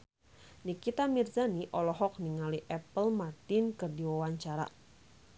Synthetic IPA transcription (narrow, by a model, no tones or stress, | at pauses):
nikit̪amirzaniʔɔlɔɦɔk̚niŋaliʔɛpəlmart̪inkɨrdiwawaɲt͡ʃaɾa̰